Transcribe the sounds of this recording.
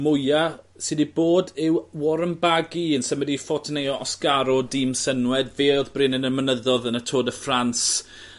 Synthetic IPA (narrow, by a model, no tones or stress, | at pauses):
mʊja | sɪdiboːdɪwwɔɾəmbaɡiənsəmɪdifɔtʰnejɔʔɔsɡaɾɔdɪmsənwɛdveːɔðbrɪnənəmənəðɔðənətʰoːdəfrans